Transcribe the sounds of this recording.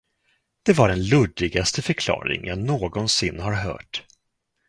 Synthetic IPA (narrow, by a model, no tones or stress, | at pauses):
d̪̥ɛvaɾɛnlɵd̪ːɪɡast̪əfœɾkʰlɑ̰ːɾɪ̰ŋjanoːɡɔnsɪnːɦaɾɦœ̰ːʈ